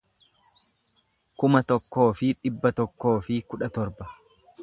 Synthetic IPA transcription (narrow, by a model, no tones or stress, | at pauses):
kʊmɐt̪ɔkːo̞ːfɪᶑɪbːɐt̪ɔkːo̞ːfɪkʊᶑɐt̪ɔɾbɐ̥